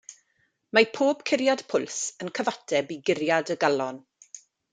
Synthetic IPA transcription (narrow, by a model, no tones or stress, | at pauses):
mapʰoːb̥kʰɪɾjad̥pʰʊlˠsənkʰəvatʰɛbiɡɪɾjadəɡalɔn